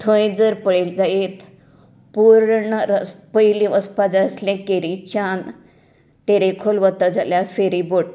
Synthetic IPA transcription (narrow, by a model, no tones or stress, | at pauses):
t̪ʰə̃j̃d͡zəɾpəɭeld͡zaet̪ | puɾɳəɾəspəjlĩʋʔəspad͡zaəsljɛ̃keɾit͡ɕan | t̪eɾekʰolʋət̪əd͡zʱaljafeɾiboʈ